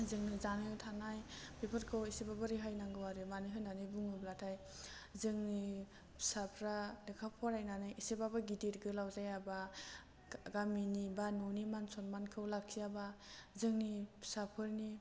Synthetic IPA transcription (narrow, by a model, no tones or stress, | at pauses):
zɯŋnizanɯtʰanajpepʰɯɾkʰɯwisebabaɾiɦajnaŋɡɯwaɾɯmanɯɦɯjnanɯbuŋɯblatʰaj | zɯŋni | sapʰɾalekʰapʰɔɾajnanɯjʔisebabaɡidiɾɡɯlawzajaba | ɡaminibanonimansɔnmankʰɯwlakʰiabazɯŋnisapʰɯɾni